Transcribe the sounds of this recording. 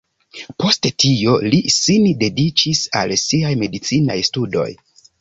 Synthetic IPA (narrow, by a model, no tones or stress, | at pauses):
po̞stetʰio̞lisinde̞dit͡ʃisa̰lsiajme̞dit͡sina̰jstudo̞̰j